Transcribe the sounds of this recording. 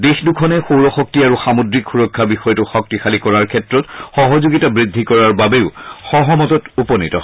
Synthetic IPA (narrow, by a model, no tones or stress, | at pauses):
dexdukʰɔnɛxowɹɔxɔk̚tiaɹuxamodɹikxuɹɔkʰːabixɔjɔtuxɔk̚tixalikɔɹaɹkʰɛtɹɔtxɔɦɔzuɡitabɹidʱːikɔɹaɹbabeʊxɔɦɔmɔtɔtupɔnitɔ